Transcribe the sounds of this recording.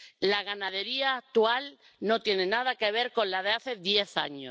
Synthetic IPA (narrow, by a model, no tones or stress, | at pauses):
laɣ̞anaðe̞ɾiaːk̚t̪ual | no̞t̪je̞ne̞nað̞ake̞β̞e̞ɾko̞nlaðeaθe̞ðje̞θa̰ɲo